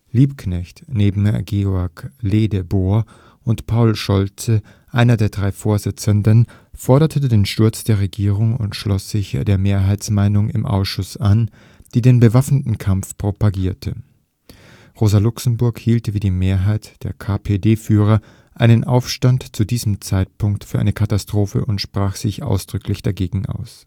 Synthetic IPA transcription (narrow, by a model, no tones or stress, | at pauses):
liːpkʰnɛçtneːbm̩ɡeːɔɐkleːdəboːɐ | ʔʊntpʰaʊlʃɔlt͡sə | ʔaɪnɐdeːɐdʁaɪfoːɐzɪt͡səndən | fɔɐɾɐtʰədeːnʃtʊɐt͡sd̥eːɐʁeɡiːʁ̞ʊŋʊ̰ntʃlɔsz̥ɪçd̥eːɐmeːɐɦaɪsmaɪnʊŋɪ̰mʔa̰ʊsʃʊsʔan | d̥iːdeːnbəvafnətn̩kʰamfpʁ̥opaɡiːɐtʰə | ʁoːzɐlʊksm̩bʊɐkhiːltviːdiːmeːɐɦaɪtd̥eːɐkʰaːpʰeːdeːfyːʁ̞ɐ | ʔaɪnənʔa̰ʊfʃtantt͡sudiːzəm̩t͡saɪt̚pʰʊŋktfyːɐʔa̰ɪnəkʰatastʁ̥oːfə̰ʔʊntʃpʁ̥aːxz̥ɪçʔa̰ʊsd̥ʁʏklɪçd̥aɡeːɡŋ̩ʔa̰ʊs